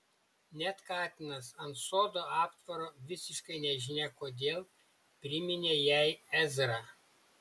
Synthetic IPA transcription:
nʲɛt̪kɑːt̪ʲɪnɐsɐnt̪soːd̪oːɑːpt̪ʋɐɾoːʋʲɪsʲɪʃkɐɪnʲɛʒʲɪnʲɛkoːd̪ʲeːlˠ | pʲɾʲɪmʲɪnʲeːjæɪɛzɾɑ

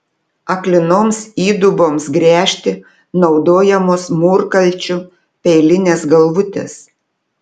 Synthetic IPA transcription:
ɐklʲɪnoːmsiːd̪ʊboːmsɡɾʲæːʃʲt̪ʲɪ | nɒʊd̪oːjɛmoːsmuːɾkɐlʲt͡ʃʲʊ | pʲɛɪlʲɪnʲeːsɡɐlˠʋʊt̪ʲḛːs

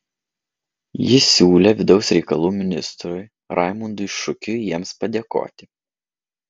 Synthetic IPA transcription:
jɪsʲuːlʲɛʋʲɪd̪ɒʊsɾʲɛɪkɐlˠuːmʲɪnʲɪst̪ɾʊɪ | ɾʔɑ̰ˑɪmʊnd̪ʊɪʃʊkʲʊjiɛmspɐd̪ʲeːko̰ːt̪ʲɪ

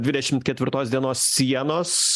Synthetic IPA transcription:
d̪ʲʋʲɪd̪ʲɛʃʲɪmt̪̚kʲɛt̪ʲʋʲɪɾt̪oːsd̪ʲiɛnoːssʲiɛnoːs

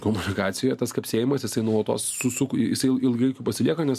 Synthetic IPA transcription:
komʊnʲɪkɑːt̪sʲɪjoːjɛt̪ɐskɐpʲsʲeːjɪmɐsjɪsɐɪnuɐt̪o̰ːssʊsʊkjɪsɐɪɪlˠɡɐɪkʲuːpɐsʲɪlʲiɛkoːnʲɛs

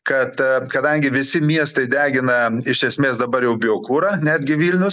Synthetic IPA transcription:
kɐt̪kɐd̪ɐŋʲɡʲɪʋʲɪsʲɪmʲiɛst̪ɐɪd̪ʲæːɡʲɪnɐɪʃʲʃʲɛsʲmʲeːsd̪ɐbɐɾjɛʊbʲɪoːkuːɾɑːnʲæːd̪ʲɡʲɪʋʲiːlʲnʲʊs

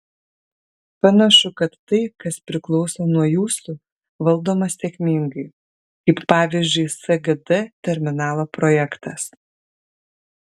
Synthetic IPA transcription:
pɐnɐʃʊkɐt̪ːɐɪkɐspʲɾʲɪklˠɔʊsoːnuɔjuːsʊ | ʋɐlˠd̪oːmɐssʲɛkʲmʲiŋɡɐɪ | kɐɪppɑːʋʲɪzʲd͡ʒʲʊɪsɐɡɐd̪ɛt̪ʲɛɾʲmʲɪnɑːlˠoːpɾɔjɛkt̪ɐs

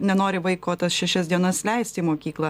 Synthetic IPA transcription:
nʲɛnoːɾʲɪʋɐɪkoːt̪ɐsʃʲɛʃʲɛsd̪ʲiɛnɐslʲɛɪsʲt̪ʲiːmoːkʲiːklˠɐ

